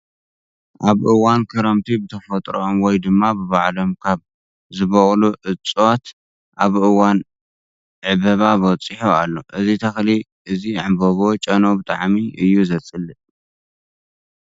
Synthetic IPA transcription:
ʔaβʔɨwankʰɨɾɐmt̪ʰibɨt̪ʰɐfɐt̪ʼɾoʔomwɔjd̪ɨmːabɨβaʕlo̞mkʰaβ | zɨβoχʼluʕɨt͡sʼwat̪ | ʔaβʔɨwan | ʕɨβɐβabɨwɔt͡sʼːiħoalːo̞ʔɨzit̪ʰɐxli | ʔɨziʕamboβo̞t͡ʃʼɐno̞bɨt̪ʼaʕmiʔɨjːuzɐt͡sʼɨlɨ

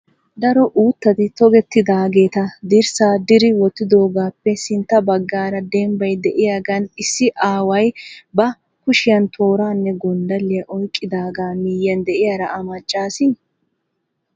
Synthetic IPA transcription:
d̪ɐɾɔʔuːt̪ːɐd̪ɪt̪ɔɡɛt̪ːɪd̪aːɡe̞ːt̪ɐd̪ɪɾsaːd̪ɪɾɪwɔt̪ːɪd̪o̞ːɡaːpːɛsɪnt̪ːɐbɐɡːaːɾɐd̪ɛːmbɐjd̪ɛʔɪjaːɡɐnɪsːɪʔaːwɐjbɐ | kʊʃɪjɐnt̪ʰo̞ːɾaːnːɛɡɔnd̪ɐlɪjɐʔɔjkʼːɪd̪aːɡaːmɪjːɐnd̪ɛʔɪjaːɾɐʔɐmɐt͡ʃʼːaːsɪ

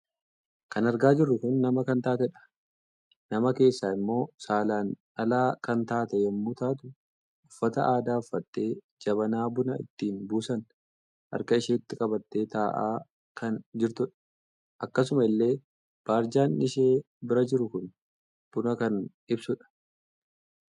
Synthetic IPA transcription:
kɐnɐɾɡaːd͡ʒɪrːʊkʊnːɐmɐkɐnt̪aːt̪ɛᶑɐ̥ | nɐmɐke̞ːsːaːɪmːo̞ːsaːlaːn | ʔɐlaːkɐnt̪aːt̪ɛjɛmːuːt̪aːt̪ʊ | ʊfːɐt̪ɐ̰ʔaːd̪aːʊfːɐt̪ːe̞ː | d͡ʒɐβɐnaːbʊnɐɪ̰t̪ːiːnbuːsɐn | ʔɐ̰ɾkɐɪʃeːɪt̪ːɪkʼɐbɐt̪ːe̞ːt̪aːʔa̰ː | kɐnd͡ʒɪɾt̪ʊᶑɐ̥ | ʔɐkːɐs̬ʊmɐɪlːe̞ː | b̥aːɾd͡ʒaːnnɪʃeː | bɪɾɐd͡ʒɪɾʊkʊn | b̥ʊnɐkɐn | ɪbsʊᶑɐ̥

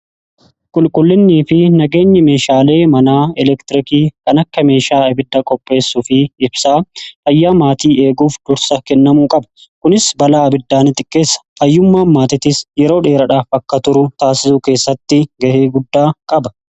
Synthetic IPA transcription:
kʼʊlkʼʊlːɪnːiːfɪnɐɡe̞ːɲːɐme̞ːʃaːle̞ːmɐnaːɛlɛkt̪ɪɾɪkiːkɐnɐkːɐme̞ːʃaːɐbɪd̪ːɐkʼɔpʼːe̞ːsːufɪːbsaːfɐjːaːmaːt̪iːe̞ːɡuːfd̪̥ʊɾsɐkɛnːɐmuːkʼɐbɐ̥kʊnɪsbɐlaːɐbɪd̪ːaːnɪt̪ʼɪkʼːe̞ːsːɐ̥ɐjːʊmːaːmmaːt̪ɪt̪ɪsjɛɾo̞ːᶑe̞ːɾɐᶑaːfɐkːɐt̪ʊɾʊt̪aːsɪsʊke̞ːsːɐt̪ːɪɡɐheːɡʊd̪ːaːkʼɐbɐ

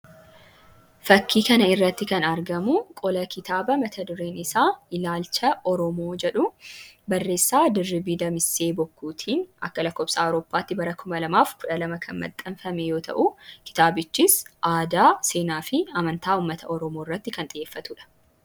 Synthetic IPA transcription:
fɐkːiːkɐnɐɪrːɐt̪ːɪkɐnɐɾɡɐmʊkʼɔlɐkɪt̪aːbɐmɐt̪ʰɐd̪ʊɾe̞ːnɪsaːɪlaːlt͡ʃɐʔɔɾɔmo̞ːd͡ʒɛᶑʊbɐrːe̞ːsːaːd̪ɪrːɪbid̪ɐmɪsːe̞ːbɔkːuːt̪ʰiːnɐkːɐlɐkːɔːpsaːɔwɾoːpːaːt̪ːɪbɐɾɐkʰʊmɐlɐmaːfkʊᶑɐlɐmɐkʰɐnmɐ̰t̪ʼːɐnfɐmɛjo̞ːt̪ʰɐ̰ʔukɪ̥t̪aːbɪt͡ʃːɪsʔaːd̪aːse̞ːnaːfɪɐmɐnt̪aːuːmːɐt̪ʰɐʔɔɾɔmoɪrːɐt̪ːɪkɐnt̪ʼɪje̞ːfːɐt̪uːᶑɐ̥

